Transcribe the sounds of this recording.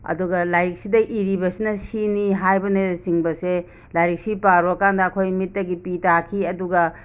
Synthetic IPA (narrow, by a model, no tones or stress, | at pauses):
ɐ̰duɡɐlajɾik̚sidɐʔiɾibɐsinɐsiniɦajbɐnesiŋbɐse | lajɾik̚sipaɾuɐkandɐːkʰojmit̚ːɐɡipitʰakʰiɐduɡɐ